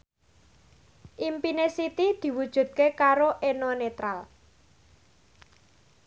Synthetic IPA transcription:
ʔimpinesit̪id̪̥i̤wud̥ʒ̥ṳd̪̚kekaɾoʔenɔnet̪ɾal

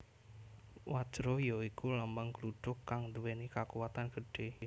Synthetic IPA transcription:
wḁd͡ʒ̥ɾɔjɔikulambaŋkəluɖ̥ʊkːaŋd̪uwɛnikakuwat̪anɡ̥əɖ̥e

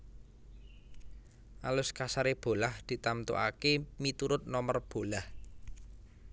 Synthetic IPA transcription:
ʔalʊskasaɾeb̥o̤lahd̪̥i̤t̪amt̪ṵʔa̰kemit̪uɾʊt̪̚nɔmərb̥o̤lah

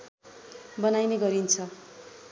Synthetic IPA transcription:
bʌnajneɡʌɾint͡sʰʌ

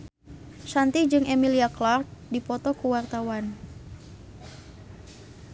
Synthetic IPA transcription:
sant̪id͡ʒɨŋemiliaklark̚dipɔt̪ɔkuwart̪awan

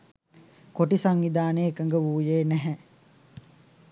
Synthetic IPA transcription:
koʈisaŋʋid̪aːneːkəŋɡəʋuːjeːnæɦɛ

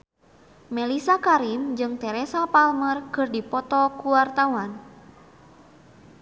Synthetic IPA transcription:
mɛlisakaɾimd͡ʒɨŋt̪ɛɾɛsapalmərkɨrdipɔt̪ɔkuwart̪awan

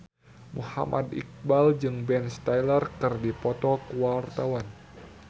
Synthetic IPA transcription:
muha̰mʔa̰d̪ḭk̚bald͡ʒɨŋbɛnst̪ajlərkɨrdipɔt̪ɔkuwart̪awan

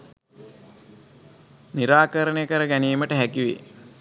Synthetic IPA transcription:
niɾaːkəɾənəjəkəɾəɡæniːməʈəɦækiʋḛ

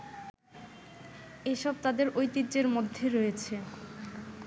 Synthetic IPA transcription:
eʃɔb̚t̪ad̪eɾʔojt̪itːd͡ʑeɾmod̪ʱːeɾoet͡ɕʰe

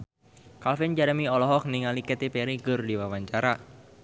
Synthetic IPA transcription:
kalfɪnd͡ʒaɾəmiɔlɔɦɔk̚niŋalikɛt̪ipɛɾiɡɨrdiwawaɲt͡ʃaɾa

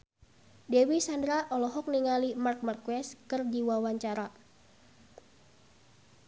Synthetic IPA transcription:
dɛwisandɾaʔɔlɔɦɔk̚niŋalimark̚markuwɛskɨrdiwawaɲt͡ʃaɾa

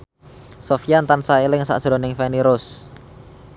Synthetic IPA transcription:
sofiant̪ansaelɪŋsa̰ʔʒ̥ɾɔnɪŋfɛniɾʊs

